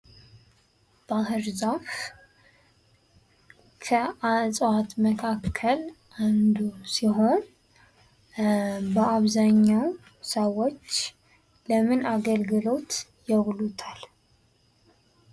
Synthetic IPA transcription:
b̥ahɨɾzaf | kʰəasʼwat̪məkʰakʰːəlʔand̪usiɦo̞n | bəaβzaɲːaw | səwo̞t͡ʃː | ləmɨnaɡəlɡɨlo̞t̪ | jɛβlut̪ʰal

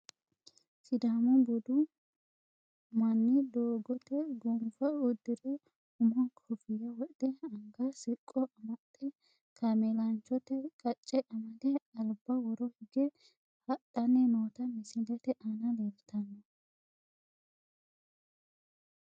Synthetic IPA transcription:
sɪd̪aːmɔbɔd̪ʊ | mɐnːɪd̪oːɡɔt̪ɛɡumfɐʊd̪ːɪɾɛ | ʊmɔkʰɔfɪjɐwɔʔd̪̥ɛɐŋɡɐsɪkʼːɔʔɐmɐt̪ʼːɛ | kʰɐmelɐnt͡ʃɔt̪ɛkʼɐt͡ʃʼːɛʔɐmɐd̪ɛɐlbɐwɔɾɔhɪɡɛ | hɐtːɐnːɛnoːt̪ɐmɪsɪlɛt̪ɛʔɐnɐleːlt̪ɐnːɐ

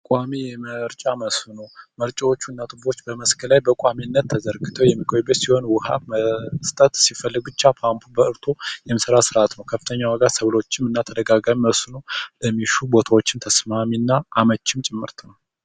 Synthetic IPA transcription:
kʼwamijɛməɾt͡ʃʼaməsnoməɾt͡ʃʼawo̞t͡ʃːunːat̪ʰɨbo̞t͡ʃːbəməskʰəlajbəkʼaminːət̪ʰːəzəɾɡɨt̪ʰəwjɛmːikʼʰojbət̪siho̞nwʊha̰məst̪ʼət̪sifəlːɨɡut͡ʃːapʰampʰubəɨɾt̪ʰojɛməsəɾasɨɾʔat̪nəwkʰəfːɨ̥t̪ʰəɲːawəɡat̪səβlo̞t͡ʃːɪmɨnːat̪ʰəd̪əɡaɡamiməsnoləmːiʃubo̞t̪ʰawot͡ʃːɪnt̪ʰəsmaminːaʔːmət͡ʃːɪmt͡ʃʼɪmːɨɾt̪ʰnəw

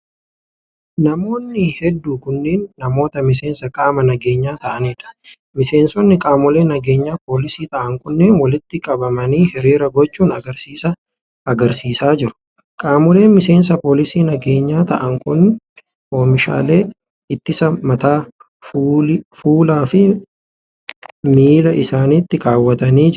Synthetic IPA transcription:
nɐmo̞ːnːɪhɛd̪ːuːkʊnːeːnːɐmo̞ːt̪ɐmɪs̬eːnsɐkʼaːmɐnɐɡe̞ːɲːaːt̪ɐʔɐneːᶑɐ̥ | mɪse̞ːnsɔnːɪkʼaːmɔle̞ːnɐɡe̞ːɲːaːpo̞ːlɪsiːt̪ɐʔɐŋkʊnːeːnwɐlɪt̪ːɪkʼɐbɐmɐniːhɛɾiːɾɐɡɔt͡ʃːuːnɐɡɐɾsiːsɐ | ɐɡɐɾsiːsaːd͡ʒɪɾʊ̥ | kʼaːmɔle̞ːnmɪse̞ːns̬ɐpo̞ːlɪsiːnɐɡe̞ːɲːaːt̪ɐʔɐŋkʊnːɪ | ʔo̞ːmɪʃa̰ːle̞ː | ɪt̪ːɪsɐmɐt̪aː | fuːlaːfɪ | miːlɐʔɪsaːniːt̪ːɪkaːwːɐt̪ɐniːd͡ʒ

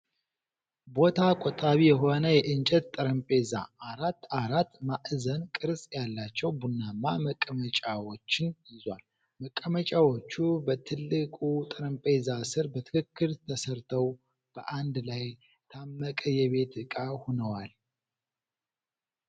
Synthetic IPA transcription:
bo̞t̪ʰakʼot̪ʼaβijɛɦo̞nəjɛʔɨnt͡ʃʼɛt̪t̪ʼːɨɾəmpʼeza̰aɾat̪ːaɾat̪ːmaʔzənkʼɨɾsʼjalːat͡ʃːɛwbunːamːaməkʼːəmət͡ʃʼawo̞t͡ʃːɪnjɪzwa̰l | məkʼːəmət͡ʃʼawo̞t͡ʃːubət̪ʰɨlːɨkʼut̪ʼɨɾəmpʼezasɨɾbət̪ʰɨ̥kʰɨkːɨɾt̪ʰəsəɾt̪ʰəw | b̥ə̰ʔand̪laj | t̪ʰamːəkʼəjɛβe̞t̪ɨkʼahunəwal

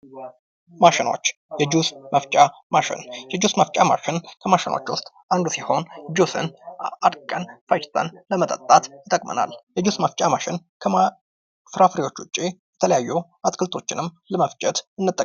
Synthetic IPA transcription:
maʃɪno̞̰t͡ʃːjɛd͡ʒusməft͡ʃʼamaʃɪ̰njɛd͡ʒusməft͡ʃʼama̰ʃɪnkʰəmaʃɪnwo̰t͡ʃːwʊst̪ʼ | ʔand̪usiho̞nd͡ʒusɨ̰nad̪kʼənfajt͡ʃt̪ʰə̰nləmət̪ʼət̪ʼːat̪jɪt̪ʼəkʼmə̰na̰ljɛd͡ʒusməft͡ʃʼamaʃɪnkʰə | fɾafɾiwo̞t͡ʃːʊt͡ʃʼːijɛt̪ʰələjajːu | at̪ʼkʰɨlt̪ʰo̞t͡ʃːɪnɨmː | ləməft͡ʃʼɛt̪ɨnːɨt̪ʼːə

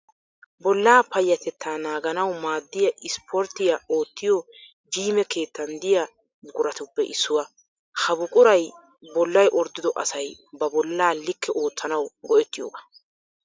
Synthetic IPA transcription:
bɔlːaːpɐjːɐt̪ɛt̪ʰːaːnaːɡɐnɐwmaːd̪ːɪjɐʔɪspʰɔɾt̪ːɪjao̞ːt̪ːɪjo | d͡ʒiːmɛke̞ːt̪ːɐnd̪ɪjɐ | ɡʼʊɾɐt̪ʊpːɛʔɪsːʊwɐ | hɐbʊkʼʊɾɐj | bɔlːɐjʔɔɾd̪ɪd̪ɔʔɐsɐjbɐbɔlːaːlːɪkːɛʔo̞ːt͡sːɐnɐwɡɔʔɛt̪ːɪjoːɡaː

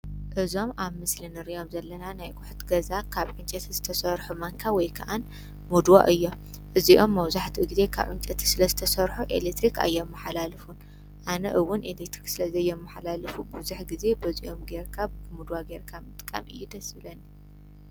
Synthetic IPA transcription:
ʔɨzo̞maβmɨslinɨɾijo̞mzɐlːɐnanajɡʊħu̥t̪ɡɐzakʰaβʕɨnt͡ʃʼɐt̪ʰiz̥ɨt̪ʰɐsɐɾħumɐŋkʰawɔjkʰaʔan | mud̪wa̰ʔɨjːo̞ | ʔɨziʔomːɐwzaħt̪ʰiɡize̞kʰa̰βʔɨnt͡ʃʼɐt̪ʰi̥sɨlɐzɨt̪ʰɐsɐɾħuʔḛlekt̪ɾikʰa̰jːomːɐħalalɨfun | ʔanɐ̰ʔɨwːʊnʔelekt̪ɾiksɨlɐzɐjːɛmːɐħalalɨfubuzuħɡize̞bɐziʔo̞mɡeɾkʰabɨmud̪waɡeɾkʰamɨt̪ʼɨkʼːɐ̰mʔɨjːud̪ɐsɨlɐnːi

